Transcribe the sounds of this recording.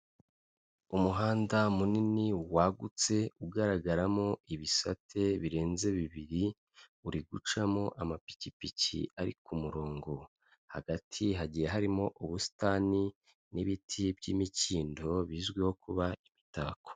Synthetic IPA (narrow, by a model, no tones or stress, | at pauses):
umuɦaːndamuniniwaɡut͡se̞uɡaɾaɡaɾamo̞iβisatʰe̞βiɾe̞ːnze̞βiβiɾi | uɾiɡut͡ʃamo̞ʔamapi̥cipicḭaɾikumuɾo̞ːŋɡo̞ | ha̰ɡatʰiɦaɟijeɦaɾimo̞ʔuβusi̥taːni | niβitʰibɟimiciːndo̞βiːzɡweho̞kuβaiβitaːko̥